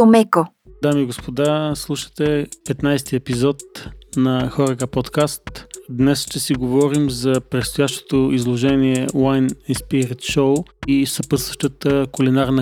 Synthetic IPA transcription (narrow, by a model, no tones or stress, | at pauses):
omɛko | d̪amiːɡospod̪aslˠuʃə̥t̪ɛpɛt̪najst̪iɛpizɔt̪̚nɐxɔɾəkəpɔt̪kast̪d̪nɛsʃt̪ɛsiɡovɔɾimzɐpɾɛt̪st̪ojaʃt̪o̥t̪oizlˠoʒɛniɛwajnɛspiɾit̪ʃowisɐpəsvəʃt̪ət̪əkʊlinaɾnə